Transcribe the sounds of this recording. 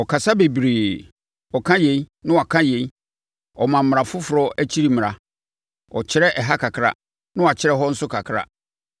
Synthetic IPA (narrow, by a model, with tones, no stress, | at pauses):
ɔ˨kʰa˨sa˦be˨bɾeː˨ | ɔ˨kʰã˦je˨i˦nɪ̃˦˨a˨kʰã˦je˨i˦ | ɔ˨mã˨m̩˨m˨ɾã˨fʊ˦fʊ˨ɾɔ˦æ˦t͡ɕʰi˦ɾi˦m̃˨ɾa˨ | ɔ̰˨t͡ɕʰɪ˦ɾɛ˦ʔɛ˨ɦa˦kʰa˨kʰɾa̰˦ | nʊ̃˦a˨t͡ɕʰɪ˦ɾɛ˦ɦɔ˦n̩˦sʊ˦kʰa˨kʰɾa̰˦